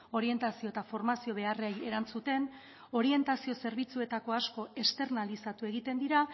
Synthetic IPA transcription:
o̞ɾie̞nt̪asio̞et̪afo̞ɾmasio̞β̞e̞areje̞ɾant͡sut̪e̞n | o̞ɾie̞nt̪asio̞se̞ɾβ̞it͡sue̞t̪ako̞asko̞e̞st̪e̞ɾnalisat̪ue̞ɣit̪e̞nd̪iɾa

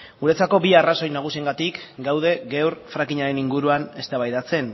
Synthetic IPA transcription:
ɡuɾe̞t͡sako̞biaraso̞jnaɣ̞usie̞ŋɡat̪ikɡawð̞e̞ɣewɾfɾakiɲaɾe̞niŋɡuɾuane̞st̪aβajðat͡se̞n

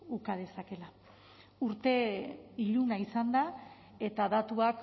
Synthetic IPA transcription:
ukað̞e̞sake̞la | uɾt̪e̞iʎunaisand̪a | e̞t̪aðat̪uak

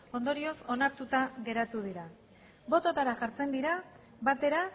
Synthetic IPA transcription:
o̞nd̪o̞ɾio̞so̞naɾt̪ut̪aɣe̞ɾat̪uð̞iɾa | bo̞t̪o̞t̪aɾaʝaɾt͡se̞nd̪iɾa | βat̪e̞ɾa

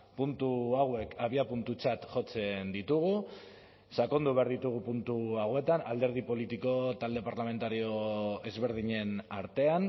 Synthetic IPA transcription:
punt̪uawe̞kʰaβiapunt̪ut͡ʃat̪ʝo̞t͡se̞nd̪it̪uɣ̞u | sako̞nd̪uβ̞aɾðit̪uɣ̞upunt̪uawe̞t̪anald̪e̞ɾð̞ipo̞lit̪iko̞t̪ald̪e̞paɾlame̞nt̪aɾio̞e̞zβe̞ɾðiɲe̞naɾt̪e̞an

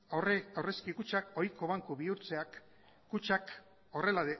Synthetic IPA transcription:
reawre̞skikut͡ʃako̞jko̞βaŋkuβiuɾt͡se̞akː | ut͡ʃak | o̞re̞laðe

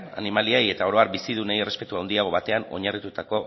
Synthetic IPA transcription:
a̰nimaliaje̞t̪ao̞ɾo̞aɾbisið̞unejere̞spe̞t̪uawnd̪iaɣ̞o̞βat̪e̞ano̞̰ɲarit̪ut̪ako̞

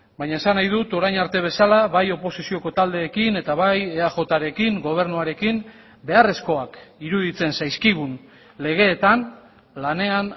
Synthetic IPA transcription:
baɲaesanajðut̪o̞ɾajnaɾt̪e̞β̞e̞salaβajo̞po̞sisio̞ko̞t̪ald̪e̞ːkine̞t̪aβaje̞axo̞t̪aɾe̞kiŋɡo̞β̞e̞ɾnuaɾe̞kim | be̞are̞sko̞akiɾuðit͡se̞nsajskiɣ̞un | le̞ɣ̞e̞ːt̪an | lane̞an

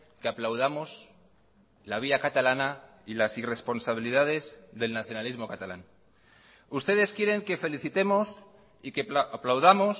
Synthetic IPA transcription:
ke̞aplawð̞amo̞s | laβ̞iakat̪alana | ilasire̞spo̞nsaβ̞iliðað̞e̞zðe̞lnaθjo̞nalizmo̞kat̪ala̰ŋ | ust̪e̞ðe̞skje̞ɾe̞ŋke̞fe̞liθit̪e̞mo̞s | ikeplawðamo̞s

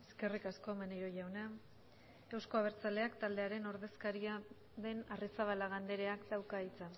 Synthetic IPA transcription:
eske̞rikasko̞meneɾo̞ʝawna | e̞wsko̞aβ̞e̞ɾt͡sale̞akt̪ald̪e̞aɾe̞no̞ɾðe̞skaɾia | ðe̞narisaβalaɣ̞and̪e̞ɾe̞akd̪awkait͡sa

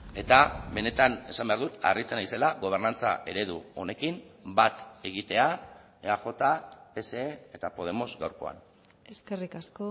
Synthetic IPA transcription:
e̞t̪aβe̞ne̞t̪ane̞sambe̞aɾðut̪a̰rit͡senajse̞laɣo̞β̞e̞ɾnant͡sa̰ʔe̞ɾe̞ð̞uo̞̰ne̞kimbat̪e̞ɣit̪e̞a | eaʝo̞t̪ape̞se̞ːet̪apo̞ð̞e̞mo̞zɣawɾko̞̰a̰n | eskerikasko

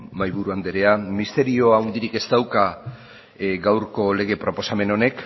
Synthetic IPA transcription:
majβuɾuand̪e̞ɾe̞amist̪e̞ɾio̞awnd̪iɾike̞st̪awka | ɡawɾko̞le̞ɣ̞e̞pɾo̞po̞same̞no̞ne̞k

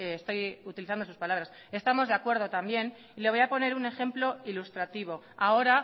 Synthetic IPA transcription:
st̪o̞jut̪iliθand̪osuspalaβɾas | e̞st̪amo̞zðeakwe̞ɾð̞o̞t̪ambje̞n | ile̞βo̞japo̞ne̞ɾune̞xe̞mplo̞ilust̪ɾat̪iβo̞ | ao̞ɾa

